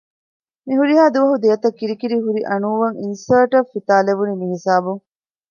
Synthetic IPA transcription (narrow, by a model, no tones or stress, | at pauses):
miɦuɾiɦaːd̪uʋɐɦud̪eɐt̪ɐkːiɾikiɾiɦuɾiʔɐnuːʋɐŋinsɐːʈɐffit̪aːleʋunimiɦisaːbuŋ